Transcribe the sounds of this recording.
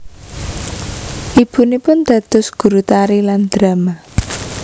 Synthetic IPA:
ʔib̥ṳnipʊnd̪̥a̤d̪̥ʊ̤sɡ̥ṳɾut̪aɾiland̪̥ɾa̤ma

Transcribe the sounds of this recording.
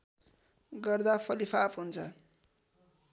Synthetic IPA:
ɡʌrd̪apʰʌlipʰapɦunt͡sʰʌ

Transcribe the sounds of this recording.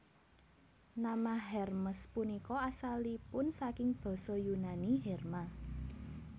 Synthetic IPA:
namaɦɛrməspunikɔasalipʊnsakɪŋb̥ɔ̤sɔjunaniɦɛrma

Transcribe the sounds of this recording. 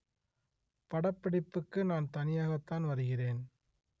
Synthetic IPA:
pɐɽɐpːɐɽɪpːɯkːɯnaːnt̪ɐnɪjaːɣɐt̪ːaːnʋɐɾɯɣɪreːn

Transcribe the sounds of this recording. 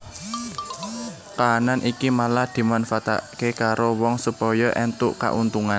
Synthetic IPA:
k̪aːnanʔikimalahd̪̥i̤manfat̪a̰ʔkekaɾowɔŋsupɔjɔʔɛnt̪uʔka̰ʔunt̪uŋan

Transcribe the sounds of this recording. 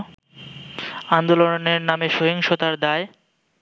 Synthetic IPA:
and̪oloneɾnameʃoɦiŋʃot̪aɾd̪ae

